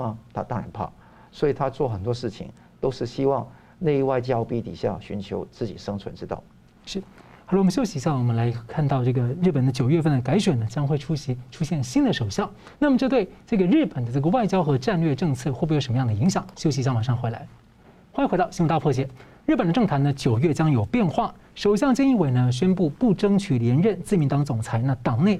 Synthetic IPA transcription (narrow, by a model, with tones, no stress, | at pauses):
t̪ʰa̰˥t̪a̰˥˩ɻə̰˧˥npʰa̰˥˩ | swɔ˧˥i˨˩t̪ʰa˥t͡swɔ˥˩xə˨˩nt̪wɔ˥ʂɻ̩˥˩t͡ɕʰḭ˧˩ŋ | t̪o˥ʊʂɻ̩˥˩ɕi˥wɑ˥˧ŋ | ne˥˧ɪi˥˩wa˥˧ɪt͡ɕjɑ˥ʊpi˥t̪ḭ˨˩ɕja̰˥˩ɕy˧˥nt͡ɕʰjo˧˥ʊt͡sɹ̩˥˩t͡ɕḭ˨˩ʂɤ˥ŋt͡sʰwə˧˥nʈ͡ʂɻ̩˥t̪ɑ̰˥˩ʊ | ʂɻ̩˥˩xa˧˩lɔ˨˧˥ɕjo˥ʊɕi˨˧˥ɕjɑ˥˩ŋwɔ˨˩mə˦nla˧˥ɪkʰa˥˧nt̪ɑ˥˧ʊʈ͡ʂɤ˥˩ɡə˩ɻ̩˥˩pə˨˩nd̪ə˦t͡ɕjo˨˩ʊɥɛ˥˧fə˥˩nd̪ə˩ka˧˥ɪɕɥɛ˨˩nə˦t͡ɕjɑ˥ŋxwe˥˩ɪʈ͡ʂʰu˥ɕi˧˥ʈ͡ʂʰu˥ɕjɛ˥˩nɕi˥nd̪ə˨ʂo˨˩ʊɕjɑ˥˩ŋ | na˥˩mə˩ʈ͡ʂɤ˥˧t̪we˥˧ɪʈ͡ʂɤ˥˩ɡə˩ɻɻ̩˥˩pə˨˩nd̪ə˦ʈ͡ʂɤ˥˩ɡə˩wa˥˩ɪt͡ɕjɑ˥ʊxɤ˧˥ʈ͡ʂa˥˧nlɥɛ˥˧ʈ͡ʂɤ˥˧ŋt͡sʰɤ˥˩xe˥˩bpu˥˩jʂə˧˥m˧jɑ˥˩d̪ə˩i˧˥ŋɕjɑ˨˩˦ŋɕjo˥ʊɕ̬i˧˥ɕ̬jɑ˥˩ŋwa˨˩ʂɑ˥˩ŋxwe˧˥ɪla̰˧˥ɪ | xwa˥ni˧˥xt̪ʊɕi˥wt̪pʰɤ˥˩t͡ɕ̬jɛ˧˥˩ | ɻ̩˥˩pə˨˩nd̪ʈ͡ʂɤ˥˩ŋt̪ʰa˧˥nə˧t͡ɕjo˨˩ʊɥɛ˥˩t͡ɕjɑ˥ŋjo˨˩ʊpjɛ˥˧nxwa˥˩ | ʂo˨˩ʊɕjɑ˥˧ŋt͡ɕi˥˧ŋi˥˧we˧˥ɪnə˧ɕ̬ɥɛ˥npu˥˧pu˥˩ʈ͡ʂɤ˥ŋt͡ɕʰy˨˩ljɛ˧˥nɻə˥˧nt͡sɹ̩˥˩mi˧˥nt̪ɑ˧˥ŋt͡sʊ˨˩ŋt͡sʰa˧˥ɪna˥˩t̪ɑ˨˩ŋne˥˩ɪ